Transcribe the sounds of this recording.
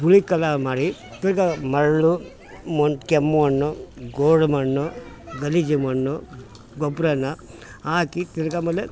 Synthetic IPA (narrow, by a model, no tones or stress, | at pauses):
buɭikɐlamaːɽit̪iɾɡɐmɐɭːu | monkemːuɐnːuɡoːɽmɐnːu | ɡɐlid͡ʒimɐnːu | ɡɔbɾɐnːɐ | aːkit̪iɾɐɡɐmɐlːe